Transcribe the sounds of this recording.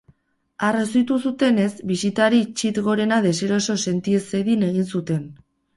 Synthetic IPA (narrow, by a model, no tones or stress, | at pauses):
aresit̪usut̪e̞ne̞sbisit̪aɾit͡ʃit̪ɣo̞ɾe̞naðe̞se̞ɾo̞so̞se̞nt̪ieseðine̞ɣ̞insut̪e̞n